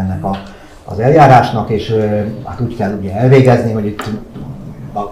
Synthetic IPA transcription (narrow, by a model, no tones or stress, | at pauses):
ɛnːɛkɒ | ɒ̰zɛljaːɾaːʃnɒkeːʃha̰ːt̪uːckɛlːuɟɛɛlveːɡɛzniɦo̞ɟit̪ː